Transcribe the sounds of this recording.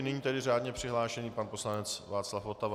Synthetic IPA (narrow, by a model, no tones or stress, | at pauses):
nɛɲiːt̪ɛdɪr̝aːdɲɛpr̝̥ɪɦlaːʃɛniːpanpo̞slanɛt͡svaːt͡slafot̪av